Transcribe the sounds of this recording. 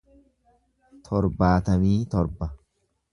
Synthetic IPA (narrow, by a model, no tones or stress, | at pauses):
t̪ʰɔɾbaːt̪ɐmiːt̪ɔɾbɐ